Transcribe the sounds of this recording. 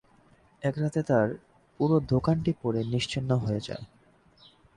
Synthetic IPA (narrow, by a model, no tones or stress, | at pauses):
ɛkɾat̪et̪aɾ | puɾod̪ʱokanʈipoɾeniʃt͡ɕinːoɦoed͡ʑa̰e